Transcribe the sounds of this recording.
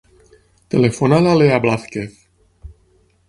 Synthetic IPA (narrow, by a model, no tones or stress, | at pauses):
t̪elefonalaleablaθkeθ